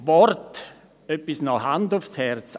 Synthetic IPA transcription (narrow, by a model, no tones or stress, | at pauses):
vɔɾt | œpːisnɔhandʊfshɛɾt͡s